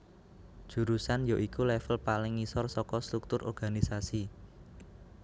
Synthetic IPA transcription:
ʒ̥ṳɾusanjoʔikulɛfəlpalɪŋisɔrsɔkɔst̪ɾuk̚t̪ʊɾʔɔ̰rɡ̥anisasi

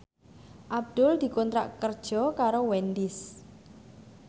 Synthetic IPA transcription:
ʔab̚d̪̥ʊld̪̥i̤kɔnt̪ɾa̰ʔkərd̥ʒ̥ɔ̤kaɾowɛnd̪ɪs

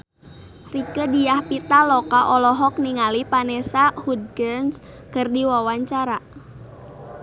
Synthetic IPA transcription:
rikədijahpit̪alɔkaʔɔlɔɦɔk̚niŋalipanɛsahud̪̚ɡəns | kərdiwawaɲt͡ʃaɾa

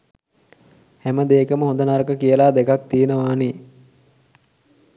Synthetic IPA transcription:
hæməd̪eːkəməɦõnd̪ənaɾkəkijəlaːd̪ekak̚t̪ienəʋaːni

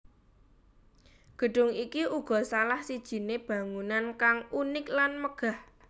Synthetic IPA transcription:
ɡ̥ə̤ɖ̥ʊ̤ŋikiʔuɡ̥ɔ̤salahsid̥ʒ̥i̤neb̥ä̤ŋunankaŋunɪklanməɡ̥a̤h

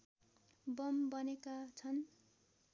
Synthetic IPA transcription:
bʌmbʌnekat͡sʰʌn

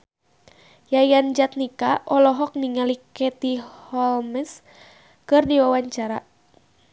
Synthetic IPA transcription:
jajand͡ʒat̪̚nikaʔɔlɔɦɔk̚niŋalikɛt̪ihɔlmɛs | kɨrdiwawaɲt͡ʃaɾa

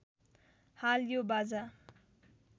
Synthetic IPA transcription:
haljobad͡za

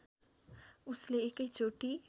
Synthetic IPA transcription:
usleekəjt͡soʈi

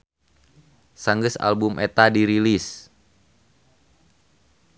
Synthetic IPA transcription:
saŋɡəsa̰lbumʔet̪adiɾilis

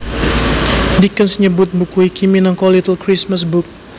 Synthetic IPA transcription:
dikənsɲəbʊt̪̚bukuikiminaŋkɔlit̪əlkɾismasbuk̚

